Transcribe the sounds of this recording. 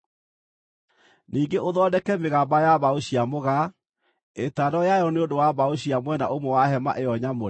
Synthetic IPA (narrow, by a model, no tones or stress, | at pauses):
niːŋɡeʔoðɔdɛkɛmeɣabajaβaoɕiamoɣa | etadɔjajɔneondowaβaoɕiamwɛnaʔomwɔwaɦɛma̰ʔejɔɲamo